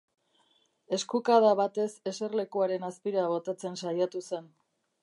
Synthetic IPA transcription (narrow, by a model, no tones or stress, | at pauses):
e̞skukaðaβat̪e̞se̞se̞ɾle̞kuaɾe̞naspiɾaβ̞o̞t̪at͡se̞nsajat̪use̞n